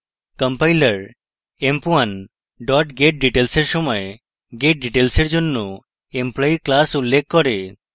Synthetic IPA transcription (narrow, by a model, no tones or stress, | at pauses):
kəmpajləɾ | empuan | ɖɔʈɡeʈ̚ɖiʈelseɾsɔmɔe | ɡeʈ̚ɖiʈelseɾd͡ʒɔnːo | emplɔiklasulːek̚kːɔɾe